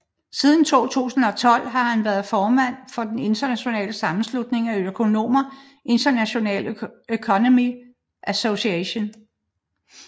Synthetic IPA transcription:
siːð̞ˠn̩t͡sʰo̝̰ːt͡sʰṵːsn̩ɒ̽t͡sʰɒ̽l̰ɦɑ̈hænʋæɐð̩ˠfɒːmæn̰fɒ̽d̥ene̝nd̥ɐnæɕo̝nɛ̰ːləsɑ̈mn̩slud̥ne̝ŋæøkʰo̝no̝̰ːmɐ | ʔe̝nd̥ɐnæɕo̝nɛ̰ːløkʰɒnomi | ʔæsoɕiɛɕo̝n

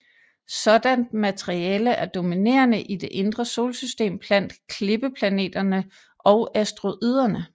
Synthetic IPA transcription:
sɒ̽d̥ænd̥̚mæt͡sʰeʁiɛːləʔæɐd̥o̝mine̝̰ːɐnəʔid̥e̝ʔe̝nd̥ʁɐso̝ːlsysd̥e̝̰ːmb̥læn̰d̥kʰle̝b̥əpʰlæne̝̰ːd̥ɐnə | ʔɒʊæsd̥ʁo̝ʔið̞̰ˠɐnə

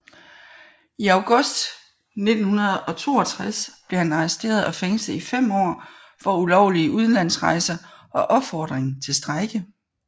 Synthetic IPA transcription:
iɑ̈ʊɡ̥ɔ̽sd̥ | ne̝d̥n̩hunɐð̩ˠɒ̽t͡sʰo̝̰ːɒ̽t͡sʰʁasb̥le̝hænɑ̈ɛsd̥e̝̰ːɐð̞ˠɒ̽feŋsləifem̰ɒ̰ː | fɒ̽ulɒʊliəʔuð̞ˠn̩læn̰sʁɑ̈ɪsɐʔɒ̽ʔɒ̽b̥fɒːd̥ʁeŋt͡sʰe̝lsd̥ʁaɪɡ̥ə

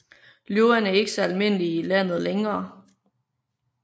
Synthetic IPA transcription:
ljoʊɐnæɐe̝ɡ̥əsɒ̽ælme̝n̰liːlæn̰ð̩ˠleŋɐː

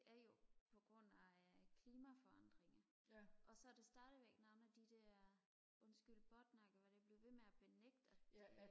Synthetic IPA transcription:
d̥e̝ʔæɐjo̝pʰɒ̽ɡ̥ʁɔ̽n̰ækʰliːmæfɒ̽ɑ̈nd̥ʁeŋɐʔɒ̽sɒ̽æd̥e̝sd̥ɑ̈ːɾ̥əʋeɡ̥nɑ̈ʊnæd̥id̥ɛɐ | ʔɔ̽nsɡ̥yl̰d̥b̥ɒd̥nɑɡ̥əʋɑd̥e̝b̥le̝ʊʋe̝meæb̥e̝neɡ̥̚d̥æ̥

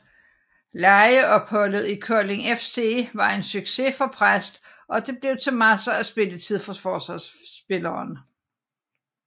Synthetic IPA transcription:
lɑ̈ɪəʔɒ̽b̥hɒ̽lð̞̩ˠikʰœɐle̝ŋefse̝ʋɑ̈e̝nsyɡ̥se̝fɒ̽pʰʁasd̥ | ɒ̽d̥e̝b̥le̝ʊt͡sʰe̝mæsɐæsb̥e̝lət͡sʰið̞̰ˠfɒfɒːsɑsb̥e̝lɐːn

